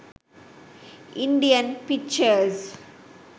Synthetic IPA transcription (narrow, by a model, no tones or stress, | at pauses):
ɪ̃ɳɖiə̃npɪk̚t͡ʃəɾz